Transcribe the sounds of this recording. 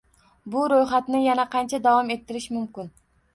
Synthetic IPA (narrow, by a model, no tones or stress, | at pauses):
bʊɾojχat̪nɪjanaqʰɑnt͡ʃʰad̪avɒme̞t̪ʰːɪɾɪʃmʊmkʲɪn